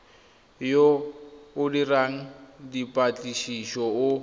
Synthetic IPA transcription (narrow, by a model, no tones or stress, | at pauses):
joʊdiraŋ̩dipʼat͡ɬʼiʃiʃɔʊ